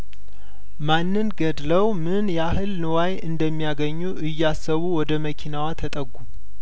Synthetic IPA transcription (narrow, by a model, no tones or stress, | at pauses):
manːɨnɡəd̪ləwmɨnjɛaɦɨlnɨwajɨnd̪əmːijaɡəɲːuʔɨjːasːəβuwɔd̪əməkʰinawat̪ʰət̪ʼəɡːu